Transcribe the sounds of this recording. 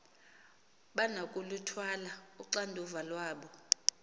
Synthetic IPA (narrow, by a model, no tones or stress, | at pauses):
ɓanakʼulutʰwalauǀandʱuvalwaːɓɔ